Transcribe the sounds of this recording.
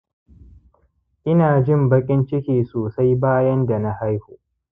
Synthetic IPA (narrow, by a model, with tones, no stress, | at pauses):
ʔɪ˦naː˨d͡ʒɪ˦˨mbɐ˦kʲʼɪ˦nt͡ʃɪ˦kʲeː˨soː˨sa˦jbaː˦jɐ˦nda˨na˦ha˦jhoː˨